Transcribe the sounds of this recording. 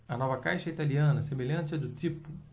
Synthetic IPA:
ɐnɔvɐka̰jʃɐit̪aliɐ̃nɐsemeʎɐ̃nt͡ʃɪɛd̪ʊt̪ɾipʊ

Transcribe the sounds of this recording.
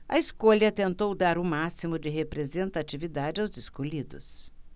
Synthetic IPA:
ɐ̰iskoʎɐt̪ẽnt̪owd̪aɾʊmasimʊd͡ʒɪɦepɾezẽnt̪at͡ʃivid̪ad͡ʒɪawzɪskoʎid̪ʊ̰s

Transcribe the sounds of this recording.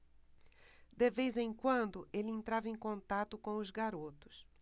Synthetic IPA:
d̪ɪvezẽj̃kwɐ̃nd̪ʊʔelɪẽnt̪ɾavɐẽkõnt̪at̪ʊkõw̃ʊzɡaɾot̪ʊ̥s

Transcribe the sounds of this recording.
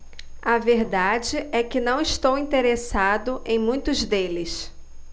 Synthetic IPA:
ɐveɾd̪ad͡ʒɪʔɛkɪnɐ̃w̃ɪʃt̪owĩt̪eɾesad̪ʊʔẽj̃mũj̃t̪ʊzd̪elɪs

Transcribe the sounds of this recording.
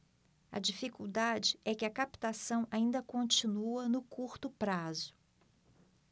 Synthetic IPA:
ɐ̰d͡ʒifikuwd̪ad͡ʒɪɛkɪɐkapt̪asɐ̃w̃ʔaĩnd̪ɐkõnt͡ʃinuɐnʊkuɾt̪ʊpɾazʊ

